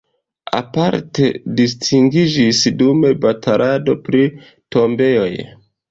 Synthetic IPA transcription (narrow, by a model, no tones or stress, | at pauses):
a̰paɾte̞distʰiŋɡid͡ʒisdume̞batʰaɾʔado̞pɾi | to̞mbe̞jo̞j